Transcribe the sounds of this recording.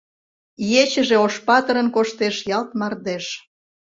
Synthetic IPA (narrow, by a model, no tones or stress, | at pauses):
jet͡ɕəʒeoʃpɑt̪əɾənkoʃt̪eʃjɑlt̪mɑrd̪eʃ